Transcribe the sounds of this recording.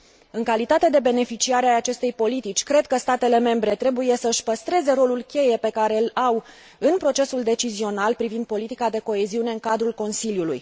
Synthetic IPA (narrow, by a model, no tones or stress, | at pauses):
ɨŋkalit̪at̪e̞d̪e̞be̞ne̞fit͡ʃiaɾeaat͡ʃe̞st̪e̞jpo̞lit̪it͡ʃʲkɾe̞d̪̚kəst̪at̪e̞le̞me̞mbɾe̞t̪ɾe̞buje̞səɨʃʲpəst̪ɾe̞ze̞ɾo̞lulkʲe̞je̞pe̞kaɾe̞law | ɨnpɾo̞t͡ʃe̞suld̪e̞t͡ʃizio̞nalpɾivind̪̚po̞lit̪ikad̪e̞ko̞e̞ziune̞ɨŋkad̪ɾulko̞nsiljulṵj